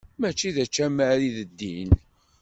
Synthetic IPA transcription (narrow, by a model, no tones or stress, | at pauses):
mæt͡ʃːiðæt͡ʃːæmæɾiðəd̪ːḭn